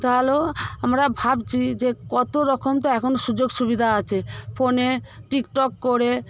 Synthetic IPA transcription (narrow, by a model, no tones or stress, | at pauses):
t̪aloamɾabʱabt͡ɕʰid͡ʑekɔt̪oɾɔkʰomt̪oɛkʰonoʃud͡ʑoɡʃubid̪ʱaat͡ɕʰepʰoneʈikʈɔkːoɾe